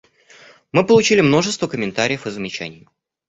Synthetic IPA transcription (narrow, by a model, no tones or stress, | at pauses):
mɨpəlˠʊt͡ɕilʲɪmno̞ʐɨst̪vəkəmʲɪnt̪aɾʲɪjəfɨzəmʲɪt͡ɕæ̰nʲɪjə